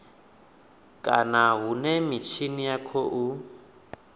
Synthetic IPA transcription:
kʼanaɦunɛmit͡ʃʰinijakʰɔʔu

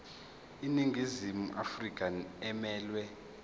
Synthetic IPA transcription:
iniŋɡʱizimuʔa̰frikʼanɛmɛːlwɛ

